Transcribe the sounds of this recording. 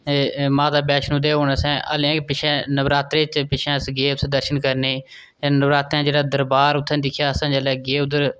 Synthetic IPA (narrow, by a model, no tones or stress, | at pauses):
eːmãːd̪aːbɛːʃnũːd̪eːɦoːnasɛ̃ːʔə̰lɛ̃ːkpɪt͡ʃʰɛ̃ːnəʋɾaːt̪ɾeːt͡ʃpɪʃʰɛ̃ːsɡeːpsd̪əɾʃənkəɾneː | eːnəbɾaːt̪ɾãːd͡ʒeːɽaːd̪əɾbaːɾʊt̪ʰːɛ̃ːd̪ɪkʰjaːsãːd͡ʒɛlɛːɡeːʊd̪əɾ